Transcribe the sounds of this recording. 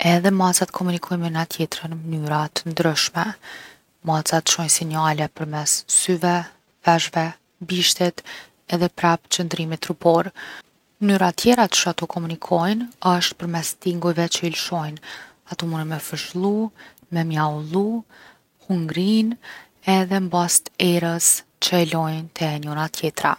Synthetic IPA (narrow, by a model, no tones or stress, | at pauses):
ɛðɛmasat̪kʰɔmunikʰɔjmənnat̪ʰjɛt̪ɾənmənyɾat̪ənd̪ɾəʃmɛ | mat͡sat̪ʃɔjnsinalɛpəɾmɛssyvɛ | fɛʒvɛ | biʃt̪ɛt̪ | ɛðɛpɾapt͡ɕənd̪ɾimit̪ɾupɔɾ | nyɾat̪jɛɾat̪ʃat̪ɔkʰɔmunikʰɔjnəʃt̪pəɾmɛst̪iŋɡujvɛt͡ʃəilʃɔjn | at̪umunəmɛfəʃlˠu | mɛmjaulˠu | huŋɡɾin | ɛðɛmbast̪ɛɾəs | t͡ʃəɛlɔjnt̪ʰɛɲɔnat̪ʰjɛt̪ɾa̰